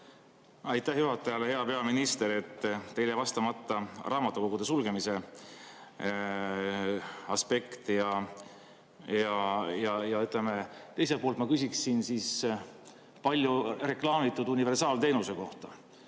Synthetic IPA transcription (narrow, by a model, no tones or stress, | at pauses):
ɑjt̪ˑːæhjuɦɑt̪ːˑɑjɑle̞he̞ɑpe̞ɑminist̪e̞ɾe̞t̪ˑːe̞jlevɑst̪ɑmɑt̪ˑːɑrʔɑːmɑt̪ːˑuko̞ɡ̥ud̪e̞sulɡ̥e̞mise̞ | ɑspe̞kt̪jɑ | jɑjɑjɑyt̪ˑlemet̪e̞jset̪polt̪mɑkys̬ʲiksːinsis | pɑlʲjure̞klɑːmit̪ːˑud̪unive̞rsɑːlt̪e̞jnuse̞ko̞ht̪ɑ